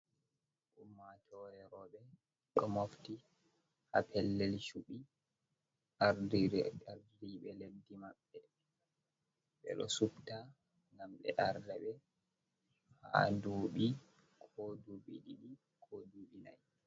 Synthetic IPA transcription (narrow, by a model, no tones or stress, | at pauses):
ʔumːatʰɔɾɛɾɔɓɛ | ɗɔmofti | hapʰɛlːɛlʃuɓi | aɾaɾdiɓɛledːimaɓːɛ | ɓɛ̰ɗɔ̰subta | ŋɡamɓɛ̰ʔaɾdaɓɛ | haduːɓi | kʰɔduɓiɗiɗi | kʰoduɓina̰j